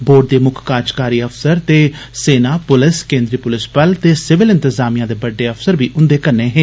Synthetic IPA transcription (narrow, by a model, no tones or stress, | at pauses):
boːɖ̚d̪eːmʊkʰkaːd͡ʒkaːɾiːəfsəɾt̪eː | seːnaːpʊlɪskẽːnd̪ɾiːpʊlɪspəlt̪eːsɪʋɪlɪ̃nt̪əzaːmijãːd̪eːbəɖːeːəpʰsəɾbiːʔʊ̃nd̪eːkənːeːɦeː